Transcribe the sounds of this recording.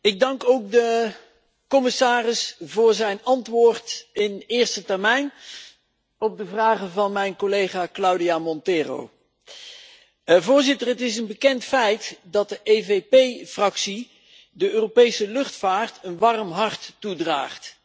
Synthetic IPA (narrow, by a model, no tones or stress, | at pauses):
ɪɡ̚dɑŋkowk̚də | kɔmɪsaːrɪsvʊːɹzɛjnɑntʋʊːɹtɪnɪːɹstətɛɹmɛjn | ɔb̚dəvraːχənvɑnmɛjnkolejχaːklʌwdijamɔntɪːro̰w | vʊːɹzɪtərɦətɪsənbəkɛntfɛjtdɑt̚dəʔejvejpejfrɑksi | dəøːropejsəlɵχtfaːɹtənʋɑrəmɦɑɹtːudra̰ːχt